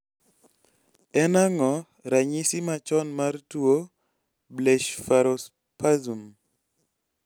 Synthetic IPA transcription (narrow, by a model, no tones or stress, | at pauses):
ɛnaŋɔ | ɾaɲisimat͡ʃɔnmartuo | bleʃfaɾos | pazum